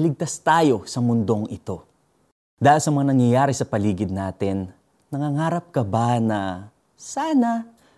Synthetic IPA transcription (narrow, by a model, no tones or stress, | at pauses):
lɪɡ̚t̪ast̪aːjo̞sɐmʊnd̪o̞ŋɪt̪o̞ | d̪aːʔɪlsɐmɐŋanɐŋjɐjaːɾɛsɐpɐliːɡɪd̪̚naːt̪ɪnː | ɐŋaŋaːɾɐp̚kɐbanɐ | saːnɐ